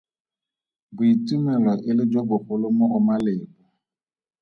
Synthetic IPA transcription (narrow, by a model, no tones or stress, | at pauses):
bʊitumelɔʔɪlɪd͡ʒɔbʊɸʊlʊmʊɔmalɪbʊ